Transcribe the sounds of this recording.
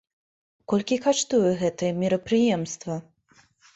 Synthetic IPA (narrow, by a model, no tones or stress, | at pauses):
kɔlʲkʲikaʂt̪ujɛɣɛt̪ɨjɛmʲiɾɐpɾɨjɛmst̪vɐ